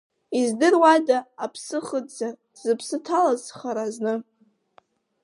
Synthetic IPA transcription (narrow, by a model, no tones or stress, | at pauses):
izdɨrwadaːpʰsɨχədzar | z̥ɨpʰsɨtʰalazχaɾaznɨ